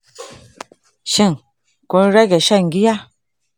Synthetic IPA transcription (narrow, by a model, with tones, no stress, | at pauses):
ʃi˦˨ŋ | ko˨˦n˦ɾa˦ɡɛ˨ʃa˦˨ŋ˨ɡi˦ja˦